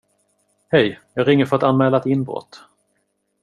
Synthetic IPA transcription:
hɛjjɑːɡɾɪŋːəɾfœɾat̪anmɛːlat̪ɪnbɾɔ̰t̪ː

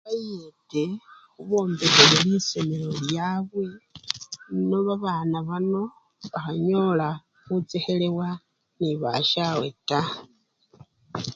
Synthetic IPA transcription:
βajete̞xuβo̞ːmbekeleliso̞me̞lo̞ljaβwe̞ | noβaβaːnaβano̞ | βaxaɲo̞la | xut͡se̞xe̞le̞wa | niβa̰ʃawe̞̰ta

